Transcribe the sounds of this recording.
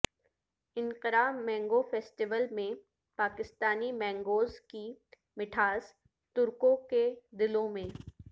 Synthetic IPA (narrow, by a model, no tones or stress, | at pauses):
ɪ̃nqɪɾaːmɛ̃ːŋɡofɛːsʈɪʋəlmẽ | paːkɪst̪aːnimɛ̃ːŋɡoːzki | mɪʈʰaːz | t̪ʊɾkõked̪ɪlõmẽː